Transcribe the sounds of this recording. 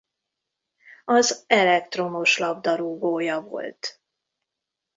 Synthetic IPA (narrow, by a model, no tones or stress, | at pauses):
ɒzɛlɛk̚t̪ro̞moʃlɒbd̪ɒɾuːɡoːjɒvo̞̰lt̪